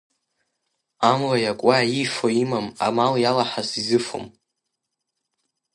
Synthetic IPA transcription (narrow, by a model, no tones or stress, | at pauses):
amlajakʷʼaifoimama̰maljalaħasizɨfo̰m